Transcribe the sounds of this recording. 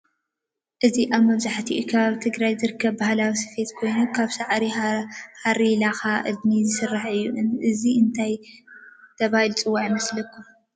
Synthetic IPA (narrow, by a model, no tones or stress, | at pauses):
ʔɨziʔaβmɐβzaħt̪ʰiʔukʰɐβaβit̪ʰɨɡɾajzɨɾɨkʰːɐβbahlawisɨ̥fe̞t̪kʰo̞jnukʰaβsaʕɾihaɾilaxaʔɨd̪nizɨsɨrːaħɨjːuʔɨnʔɨziɨnt̪ʰaj | t̪ʰɐβahilt͡sʼɨwːaʕimɐslɐkʰːu